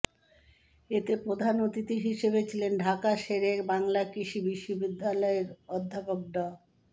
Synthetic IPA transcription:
et̪epɾod̪ʱanot̪it̪iɦiʃeβet͡ɕʰilenɖʱakaʃeɾekbaŋlakɾiʃibiʃːobid̪ʱːalɔeɾɔd̪ʱːapok̚ɖɔ

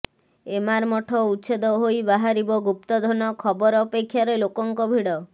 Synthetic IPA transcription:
emaɾmɔʈʰɔuʃʰed̪ɔɦojbaɦaɾibɔɡup̚t̪ɔd̪ʱɔnɔkʰɔbɔɾɔpekʰːjaɾelokɔŋkɔbʱiɽɔ

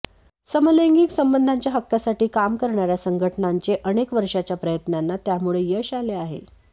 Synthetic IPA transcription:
səmələŋɡiksəmbənd̪ʱaɲt͡ɕjaɦəkːjasaʈiːkamkəɾɳaɾjasəŋɡʱəʈnaɲt͡seʔəɽ̃ekʋəɾʂat͡ɕjapɾəjət̪nanːat̪jamuɭejəɕaleaɦḛ

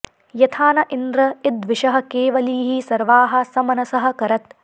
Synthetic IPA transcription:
jɐt̪ʰaːnɐʔind̪ɾɐid̪ʋiʃɐɦɐ̆keːʋɐliːɦisɐɾʋaːɦɐ̆sɐmɐnɐsɐɦɐ̆kɐɾɐt̪

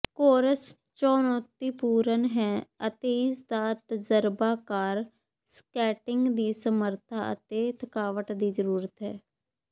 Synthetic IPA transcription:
koːɾəs | t͡ʃɔːnɔːt̪iːpuːɾənɦɛːət̪eːɪsd̪aːt̪əzəɾbaːkaːɾ | skɛːʈɪŋɡd̪iːsəməɾt̪ʰaə̰t̪eːt̪ʰəkaːʋəʈd̪iːzəɾuːɾət̪ɦɛː

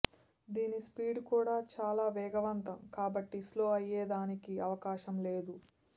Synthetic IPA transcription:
d̪iːnispiːɖkuːɽaːt͡ʃaːlaːʋɛːɡɐʋɐnt̪ɐmkaːbɐʈːisloːɐjːɛːd̪aːnikiɐʋɐkaːʃɐmleːd̪u

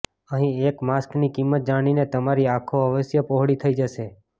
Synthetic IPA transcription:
əɦĩekmasknikimːət̪̚d͡ʒaɽ̃inet̪əmaɾiakʰoəʋəsjəpoɦɽit̪ʰəid͡ʒəʃe

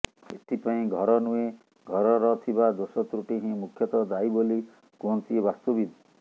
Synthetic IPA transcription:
ḛt̪ʰipaĩɡʱɔɾɔnue | ɡʱɔɾɔɾɔt̪ʰibad̪osɔt̪ɾuʈiɦĩmukʰjɔt̪ɔd̪ajboli | kont̪iebast̪obid̪ɔ

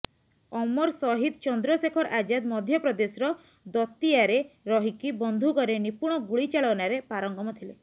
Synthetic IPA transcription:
ɔmɔɾsɔɦid̪t͡ʃɔnd̪ɾɔsekʰɔɾʔad͡ʒad̪mɔd̪ʱjɔpɾɔd̪esɾɔ | d̪ɔt̪ijaɾeɾɔɦikibɔnd̪ʱukɔɾenipuɽ̃ɔɡuɭit͡ʃaɭɔnaɾepaɾɔŋɡɔmɔt̪ʰile

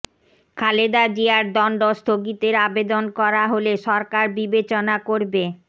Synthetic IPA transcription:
kʰaled̪ad͡ʑiaɾd̪ɔɳɖost̪ʰoɡit̪eɾabed̪onkɔɾaɦoleʃɔɾkaɾbibet͡ɕonakoɾbe

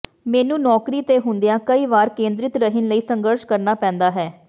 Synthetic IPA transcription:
mɛːnũːnɔːkɾiːt̪eːɦʊnd̪ejãːkəiːʋaːɾkẽːnd̪ɾɪt̪ɾəɦɪnləiːsəŋɡəɾʃkəɾnaːpɛ̃ːnd̪aːɦɛː

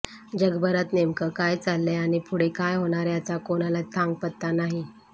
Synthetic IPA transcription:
d͡ʑəɡbəɾat̪nemkəkajt͡salːeaɽ̃ipʰuɽekajɦoɽ̃aɾjat͡sakoɽ̃alat̪ʰãŋɡ̚pət̪ːanaɦi

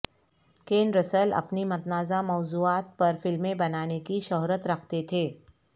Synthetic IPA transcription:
keːnɾəsəlɐ̰pnimɐt̪naːzamɔːzuːaːt̪̚pɐɾfɪlmẽbɐnaːnekiʃɔɦɾət̪ɾɐkʰt̪et̪ʰeː

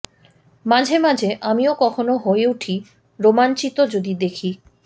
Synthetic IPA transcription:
mad͡ʑʱemad͡ʑʱeʔamiokɔkʰonoɦoeuʈʰi | ɾomant͡ɕit̪od͡ʑod̪id̪ekʰi

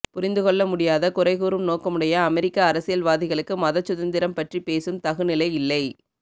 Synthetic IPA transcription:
pʊɾɪnd̪ɯkɔɭːɐmʊɽɪjaːðɐkʊɾɐɪɣuːɾɯmnoːkɐmɯɽɐjɐːmɛɾɪkːɐːɾɐsɪjɐlʋaːðɪɣɐɭɯkːɯmɐðɐt͡ʃːʊðɐnd̪ɪɾɐmpɐʈripeːsɯmt̪ɐɣɯnɪlɐɪɪlːɐɪ

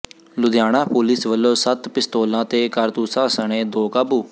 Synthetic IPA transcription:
lʊd̪jaːɽ̃ãːpuːlɪsʋəlːoːsət̪pɪst̪oːlãːt̪eːkəɾt̪uːsãːsəɳeːd̪oːkaːbuː

